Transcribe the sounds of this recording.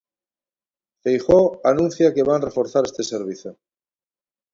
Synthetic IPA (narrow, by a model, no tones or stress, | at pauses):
fejxoanũn̟θjake̞βanre̞fo̞ɾθaɾe̞st̪e̞seɾβ̞iθjo